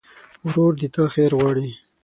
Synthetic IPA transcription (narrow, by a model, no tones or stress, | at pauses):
wɾoɾd̪it̪axeɾɣwɑːɽi